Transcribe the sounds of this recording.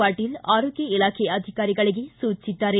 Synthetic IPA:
aːʈːɪlaːɾoːkɐɪlaːkejɐd̪ʱɪkaːɾɪɣɐɭɐjesuːt͡ʃːɪʈːaːɾe

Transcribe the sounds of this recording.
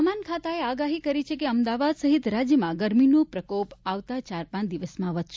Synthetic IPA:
əmankʰat̪aeaɡaɦikəɾit͡ʃʰekeəmd̪aʋad̪səɦit̪ɾad͡ʒjəmãɡəɾminopɾəkopaʋt̪at͡ʃaɾpãd̪iʋəsmãʋəd̪ʃ

